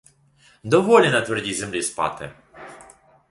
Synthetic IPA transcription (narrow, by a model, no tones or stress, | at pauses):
d̪ɔʋɔlʲinɐt̪ʋɛrdʲizemlʲispɑ̰t̪ɪ